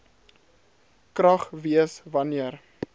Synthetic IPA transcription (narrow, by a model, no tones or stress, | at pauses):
krɐχviəsvɐniər